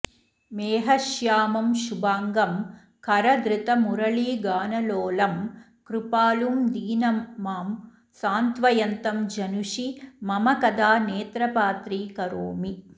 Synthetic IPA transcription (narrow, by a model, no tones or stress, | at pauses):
meːɦɐʃjaːmɐmʃubaːŋɡɐm | kʰɐɾɐd̪ɾɪt̪ɐmuɾɐɭiːɡaːnɐloːlɐm | kɾupaːlumd̪iːnɐmmaːm | saːnt̪ʋɐjɐnt̪ɐmd͡ʒɐnuʃimɐmɐkɐd̪aːneːt̪ɾɐpaːt̪ɾiːkɐɾoːmi